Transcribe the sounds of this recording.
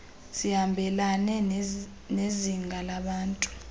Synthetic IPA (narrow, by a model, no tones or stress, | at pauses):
sihambʱɛlanɛ | neziŋɡʱalaɓaːntʼu̥